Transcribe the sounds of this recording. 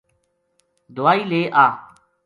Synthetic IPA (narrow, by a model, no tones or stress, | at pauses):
d̪ʊaːiːleːʔaː